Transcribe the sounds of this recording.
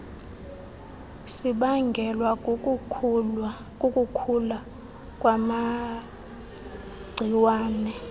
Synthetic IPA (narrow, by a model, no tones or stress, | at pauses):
siɓaŋɡʱɛlwa | kʼokʼukʰula | kʼwama | ɡ͡ǀʱiwaːnɛ